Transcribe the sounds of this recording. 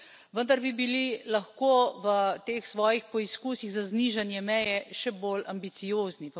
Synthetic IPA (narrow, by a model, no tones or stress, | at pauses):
ʋənd̪aɾbibililɐxkoːʋət̪eːxsʋɔːjixpɔiskuːsiɣzazniːʒanjɛmɛjɛʃɛboːlambit̪sijoːznip